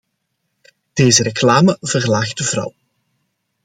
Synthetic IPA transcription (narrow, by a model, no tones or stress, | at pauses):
d̥eːzəɾeklaːməvərlaːɣdəvrʌ̰w